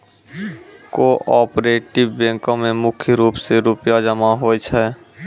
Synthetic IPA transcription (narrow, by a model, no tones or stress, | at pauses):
koʔɔpɾeʈibbẽŋkõmemʊkʰjəɾuːpseɾupjad͡ʒəmaɦojt͡ʃʰɛ